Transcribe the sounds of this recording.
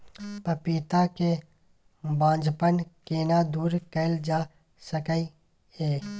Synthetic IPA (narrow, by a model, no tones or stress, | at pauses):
pəpiːt̪ake | bãːd͡ʒʱpənkeːnad̪uːɾkəɪld͡ʒaː | səkəi | eː